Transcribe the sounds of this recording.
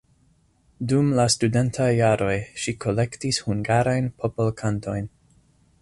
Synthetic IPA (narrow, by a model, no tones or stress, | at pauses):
dumlastude̞ntʰajːaɾo̞jʃikʰo̞le̞ktishuŋɡaɾajnpʰopolkʰanto̞jn